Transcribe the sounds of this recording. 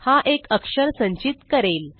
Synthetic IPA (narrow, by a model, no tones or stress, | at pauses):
haʔekəkʂəɾsə̃ɲt͡ɕit̪kəɾel